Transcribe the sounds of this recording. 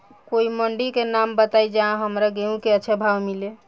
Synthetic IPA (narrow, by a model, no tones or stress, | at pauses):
koiməɳɖikenambət̪ajd͡ʒaɦãɦəmɾaɡeũkeəːt͡ʃʰebʱawmile